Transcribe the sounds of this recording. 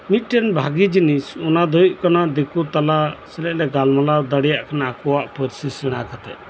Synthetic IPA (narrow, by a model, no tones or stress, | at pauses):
miʈɛnbʱaɡid͡ʒinisɔnad̪ʱɔjuʔ̚kanad̪ekut̪alasɛlɛʔlɛɡalmalad̪əɽɛjaʔkʰanakɔwaʔpɔɾsisɛɽ̃akat̪ɛ̰ʔ